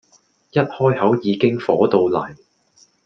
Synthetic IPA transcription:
jɐ˥t̚hɔː˥jhɐ˨˥wjiː˨˧kɪ˥ŋfɔː˨˥t̪o˨˧wlɐ˨˩j

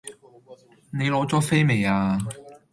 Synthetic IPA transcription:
ne˨˧jlɔː˨˥t͡sɔː˨˥fe˥jme˨˧jaː˧

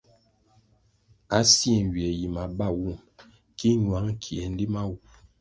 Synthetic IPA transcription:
a˨˦sjɛ˨ŋ˨ɡɥɛ˨ji˨ma˨ba˦˨wu˦˨m | ki˦ɲwa˨˦ŋ˦kʰi˨ɛ˨n̩˦di˦ma˦wu˨

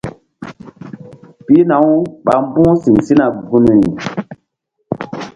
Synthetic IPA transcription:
pi˦na˨˦wɓa˨m˦bũ˦si˨nsi˦na˨ɡu˦n˨ɾi˨

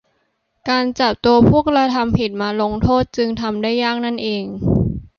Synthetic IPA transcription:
kaː˧nt͡ɕa˨˩p̚t̪u˧ɐpʰu˥˩ək̚ɾa˧t̪ʰa˧mpʰi˨˩t̪̚maː˧lo˧ŋt̪ʰoː˥˩t̪̚t͡ɕɯ˧ŋt̪ʰa˧mdaː˥˩jːaː˥˩k̚na˥˩nʔeː˧ŋ

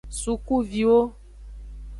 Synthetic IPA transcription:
su˨ku˦vi˨wo˦

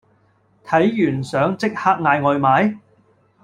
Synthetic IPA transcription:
t̪ʰɐ˨˥jjyː˨˩nsœː˨˥ŋt͡sɪ˥k̚haː˥k̚ŋaː˧jŋɔː˨˧jmaː˨˥j

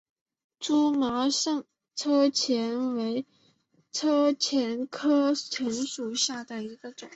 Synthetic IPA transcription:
ʈ͡ʂu˥mɑ˧˥ʊʂɤ˥˩ŋ | t͡sʰɤ˥t͡ɕʰjɛ˧˥nwe˧˥ɪ | t͡sʰɤ˥t͡ɕʰjɛ˧˥nkʰɤ˥t͡sʰə˧˥ŋʂu˨˩ɕja˥˩d̪ə˩i˧˥ɡə˧ʈ͡ʂʊ˨˩˦ŋ

